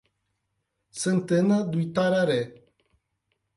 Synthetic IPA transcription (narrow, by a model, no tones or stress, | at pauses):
sɨnt̪ɨnad̪ujt̪aɾaɾe